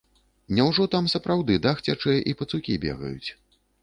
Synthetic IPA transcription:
nʲɛwʐɔt̪amsɐpɾʔawd̪ɨd̪axt͡sʲat͡ʂɨjɐʔipɐt̪sukʲibʲḛɣɐ̰jṵt͡sʲ

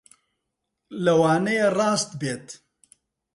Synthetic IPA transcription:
lɐwaːnɐjerˤaːst̪beːt̪

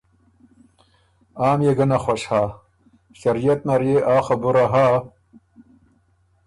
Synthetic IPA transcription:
aːmjeɡɐnɐxwɐɕhaː | ɕɐɾijɐt̪̚nɐɾjeʔaːxɐbuɾaɦaː

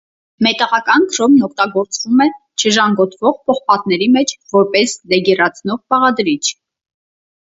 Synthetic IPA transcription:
mɛt̪ɑʁɑkɑnkʰɾɔmnɔk̚ʰt̪ɑɡɔɾt͡svumɛ | t͡ʃʰəʒɑŋɡɔt̪ʰvɔʁpʰɔχpɑt̪̚nɛɾimɛt͡ʃʰvɔɾpɛslɛɡɛrɑt͡sʰnɔʁpɑʁɑd̪ɾit͡ʃʰ

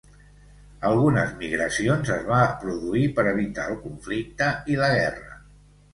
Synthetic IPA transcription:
əlˠɣunəzmiɣɾəsionzəzβapɾuðuipəɾəβit̪aəlˠkuɱflik̚t̪əiləɣɛrə

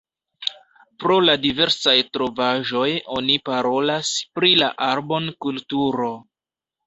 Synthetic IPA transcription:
pɾo̞ladive̞ɾsajtɾo̞vaʒo̞jo̞nipaɾo̞laspɾila̰ʔaɾbo̞nkultuɾo̞

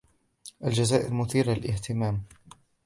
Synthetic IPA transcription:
ʔald͡ʒazaːʔɪɾmʊθiːɾalɪlʔɪht̪ɪmaːm

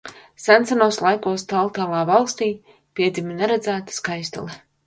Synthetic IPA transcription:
sant̪sanuɔslˠajkuɔst̪alˠt̪aːlˠaːvalˠst̪iː | piɛd̪zʲiminɛɾad̪zæːt̪ḁskajst̪ṵlˠɛ

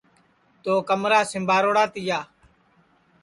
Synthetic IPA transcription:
t̪oːkəmɾaːsɪ̃mbʱaːɾoːɽaːt̪ɪjaː

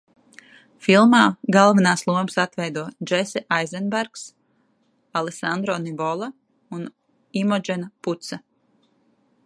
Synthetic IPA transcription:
filˠmaːɡalˠvinaːslˠuɔmsat̪vɛjd̪uɔd͡ʒesɛʔajzɛnbæɾks | alˠesand̪ɾɔnivɔlˠa | un | imɔd͡ʒɛnaput̪sa

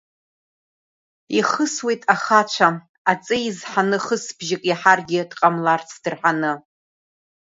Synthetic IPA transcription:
iχəswe̞jtʼaχat͡ʃʷʰa | at͡sʼɨizħanɨχəsb̥ʒɪkʼaħarɡʲɪd̥qʼamlart͡sʰd̥ɨrħanɨ

